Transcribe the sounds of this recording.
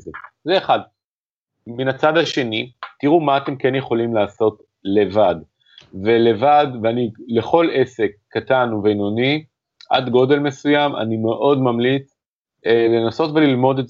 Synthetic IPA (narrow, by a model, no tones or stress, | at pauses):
ezeːχad | minat͡sadaʃe̞nitiʁumaːt̪e̞mkenje̞χo̞limlaːso̞t | le̞vad | vele̞vadveanile̞χo̞le̞se̞kːatanuvenoni | ʔa̰dɡo̞de̞lme̞sujama̰nime̞ʔo̞dmamlit͡s | le̞naso̞tvelilmo̞de